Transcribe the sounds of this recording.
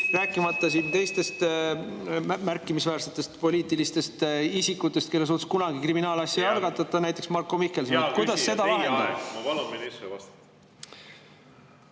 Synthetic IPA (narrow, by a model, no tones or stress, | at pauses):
ræːkːˑimɑt̪ːˑɑsint̪e̞jst̪e̞st̪ | mmærkːˑimisvæːrse̞t̪ːˑe̞st̪po̞lʲiːt̪ˑilist̪e̞st̪isikːˑut̪ːˑe̞st̪̚ke̞lːes̬uːt̪u̥skunɑɡikriminɑːlɑsjɑjɑlɡ̥ɑt̪ːˑɑt̪ːˑɑnæjt̪ːˑe̞ksmɑrkːo̞mikːe̞lsikujd̪̥ɑsːe̞d̪ɑɑeɑmɑvɑluisevɑst̪ː